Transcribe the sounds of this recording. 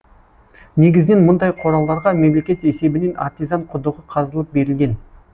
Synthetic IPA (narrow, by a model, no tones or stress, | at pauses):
ne̞ɡʲɪzɪne̞nmʊnd̪ɑjqʰo̞ɾɑlˠd̪ɑɾʁɑme̞mle̞kʲe̞t̪e̞se̞bɪne̞na̰ɾt̪ijzɑɴqʰʊd̪əʁəqʰɑzəlˠəp̚be̞ɾɪlɡʲe̞n